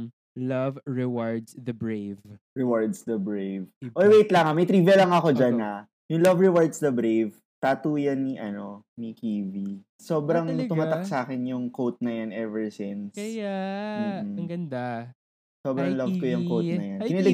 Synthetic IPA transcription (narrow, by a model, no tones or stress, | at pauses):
lɐvɹɛwaɹd̪sðɐbɹejv | ɹɛwaɹd̪sd̪ɐbɹejvʔojwejt̪lɐŋamɐjt̪ɾiːvɛlɐŋɐko̞d͡ʒanːɐ | jʊŋlɐvɹɛwaɹd̪sd̪ɐbɾejv | t̪aːt̪uːjɐnːiʔɐno̞nikiːvi | soːbɾɐŋt̪ʊmat̪ak̚saːkɛnjʊŋkowt̪̚nɐjanɛvɛɹsɪnsɐam̩ːm̩ɡɐnd̪a | so̞ːbɾɐŋlɐvkojʊŋkowt̪nɐjankɪnilɪ